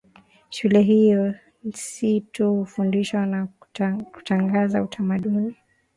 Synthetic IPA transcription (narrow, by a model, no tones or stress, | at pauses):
ʃulɛɦijɔ | n̩situhufundiʃwanaku̥taŋɡazautʰamaɗuni